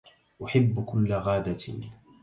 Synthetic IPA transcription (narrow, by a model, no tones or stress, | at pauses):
ʔʊħɪbːkʊlːɣaːd̪a